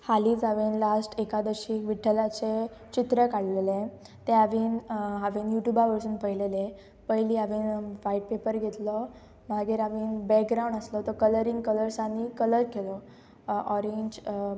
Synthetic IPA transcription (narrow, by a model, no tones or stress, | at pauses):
haliːd͡zaʋinlasʈʰekad̪əɾɕiːkʋiʈʰəlat͡set͡ɕit̪ɾəkaɽlele | t̪ẽaʋiːnɦaʋinjuʈjubaʋəɾsuːnpəɦilele | pəjliːaʋiːnʋaiʈ̚pepəɾɡʱet̪lɔ | maɡeɾaʋiːnbɛk̚ɡɾaw̃ɳɖaslɔt̪ɔkələɾĩŋɡkələɾsanikələɾɡelɔ | ʔɔɾeɲd͡ʑ